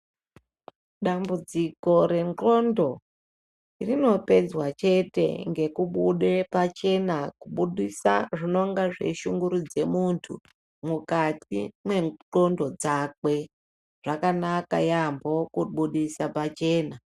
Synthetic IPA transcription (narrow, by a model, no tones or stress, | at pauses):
ɗambud͡ziko̞ɾe̞ŋǃo̞ndo̞ | irino̞pe̞d͡zwat͡ʃe̞te̞̰ŋɡe̞kuɓuɗepat͡ʃe̞nakuɓuɗisa̰ʐino̞ŋɡaʐe̞̰ʃuŋɡuɾud͡ze̞muntʰṵ | mukatimwe̞ǃo̞ndo̞d͡zak̚we̞ | ʐ̥akanaka̰jambo̞kuɓuɗisapat͡ʃe̞ːna